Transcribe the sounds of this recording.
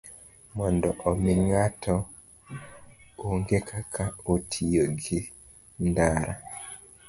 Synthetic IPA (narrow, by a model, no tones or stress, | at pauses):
mɔndɔʔomiŋatʰɔ | uŋɡekʰakʰaotʰijoɡi | ndaɾa̰